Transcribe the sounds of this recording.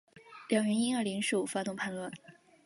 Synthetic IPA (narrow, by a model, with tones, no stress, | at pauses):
ljɑ˨˩ŋɥɛ˧˥ni˥ŋə˞˥˧˩li˧˥ŋʂɻu˥˩u˨˩fa˥t̪ʊ˥˧ŋpʰa˥˧nlwa˥˩˦n